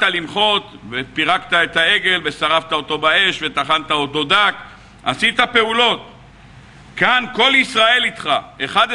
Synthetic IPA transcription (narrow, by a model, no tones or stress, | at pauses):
talimχo̞t̪vepiʁakt̪ae̞t̪ae̞ɡe̞lve̞saʁaft̪ao̞t̪o̞bae̞ʃve̞t̪aχant̪ao̞t̪o̞d̪ak | ʔasit̪ape̞ulo̞t̪ | kanko̞lisʁae̞lit̪χae̞χad̪